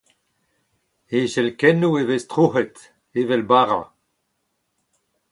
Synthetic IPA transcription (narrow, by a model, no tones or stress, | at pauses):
eʃɛlkɛnuevestʁuɦet | evɛlbaʁa̰